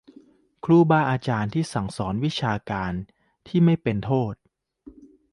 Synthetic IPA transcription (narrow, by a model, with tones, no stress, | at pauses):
kʰɾuː˥˩baː˥˩ʔaː˧t͡ɕaː˧nt̪ʰiː˥˩sa˩˦ŋsɔː˩˦nwi˦˥t͡ɕʰaː˧kaː˧n | t̪ʰiː˥˩ma˥˩jpe˧nt̪ʰoː˥˩t̪̚